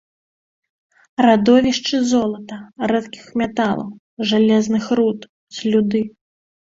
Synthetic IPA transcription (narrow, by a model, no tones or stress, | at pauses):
rad̪ɔvʲiʂt͡ʂɨzɔlˠɐt̪ɐɾɛt̪kʲi̥xmʲɛt̪alˠɐ̰w | ʐalʲɛznɨxrut̪ | zʲlʲud̪ɨ